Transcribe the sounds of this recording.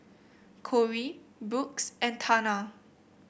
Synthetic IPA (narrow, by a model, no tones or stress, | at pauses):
kʰɔɹibuksʔɛ̃ntʰana